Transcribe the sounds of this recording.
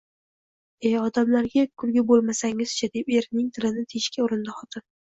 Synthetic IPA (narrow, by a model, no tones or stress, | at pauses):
eɒd̪amlaɾɡʲakʰʊɾɡʲabolˠmasaŋɪz̥t͡ʃʰad̪epe̞ɾnɪŋt̪ʰɪlɪnɪt̪ʰeʃkʲʰaʊɾɪnd̪aχɒt̪ʰɪn